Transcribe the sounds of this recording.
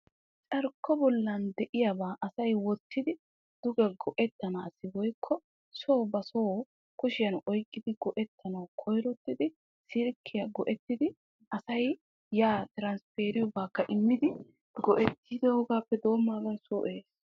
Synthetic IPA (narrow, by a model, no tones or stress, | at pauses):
t͡ʃʼɐɾkʰːɔbɔlːɐnd̪ɛʔɪjabaːʔɐsɐjwɔt̪ːɪd̪ɪ | d̪̥ʊɡɛɡɔʔɛt̪ːɐnaːsɪwɔjkʰːɔ | soːbɐsoː | kʊʃɪjɐnɔjkʼːɪd̪ɪɡɔʔɛt̪ʰːɐnɐwkʰɔjɾɔt̪ːɪd̪ɪ | sɪɾkʰːɪjɐɡɔʔɛt̪ːɪd̪ɪ | ʔɐsɐj | jaːt̪ɪɾɐnspeːɾɪjɔbaːkːɐʔɪmːɪd̪ɪ | ɡɔʔɛt̪ʰːiːd̪ɛhɔɡaːpːɛd̪o̞ːmːaːɡɐnsuːʔeːs